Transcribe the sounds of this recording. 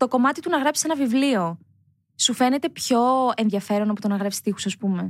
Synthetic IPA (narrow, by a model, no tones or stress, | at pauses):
t̪o̞ko̞mɐt̪it̪unɐɣɾɐpsise̞nɐvivlio̞ | sufe̞ne̞t̪e̞pço̞e̞nðʝɐfe̞ɾo̞noput̪onɐɣɾɐpsi̥st̪ixu̥sɐspume̞